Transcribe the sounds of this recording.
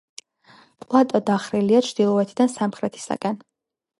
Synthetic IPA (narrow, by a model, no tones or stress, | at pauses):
pʼlˠat̪ʼɔd̪aχɾiliat͡ʃʰɾd̪ilˠɔɛt̪ʰid̪ansamχɾɛt̪ʰi̥sa̰kʼɛn